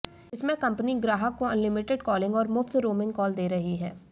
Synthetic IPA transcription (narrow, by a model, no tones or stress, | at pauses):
ɪsmẽkɐ̃mpniɡɾaːɦəkːoɐ̃nlɪmɪʈɪɖkɔːlɪ̃ŋɡɔːɾmʊft̪ɾoːmɪ̃ŋɡkɔːld̪eːɾɐɦiɦɛː